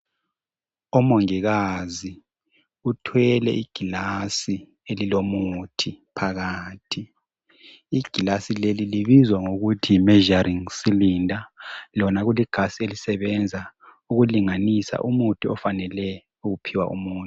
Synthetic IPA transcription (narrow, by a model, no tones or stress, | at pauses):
ɔmoŋiɣazi | utʰwɛlɛ̰ʔiɡ̥ʱilasi | elilomutʰipʰaɣaːtʰi | iɡ̥ʱilasileliliβizwaŋoɣutʰiːmɛʒariŋsilindʱalɔnaɣuliɡ̥ʱasielisɛβɛnd͡zʱa | uɣuliŋanisa̰ʔumutʰiɔfanɛlɛ | uɣupʰiwa̰ʔṵmuːntu